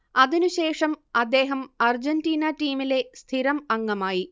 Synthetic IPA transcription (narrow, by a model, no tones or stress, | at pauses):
ɐðinuɕe̞ːʂɐmɐd̪ːe̞ːɦɐmɐrd͡ʑɐndiːnɐʈiːmile̞st̪ʰiɾɐmɐŋːɐmaːji